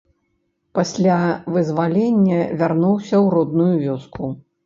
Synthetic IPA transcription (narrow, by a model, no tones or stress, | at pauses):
pasʲlʲavɨzvalʲenʲːɐvʲarnuwsʲɐwrɔd̪nujuvʲɔsku